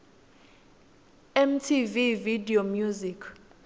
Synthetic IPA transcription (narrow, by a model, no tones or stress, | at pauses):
ɛmtʰivividiomjuzikʰ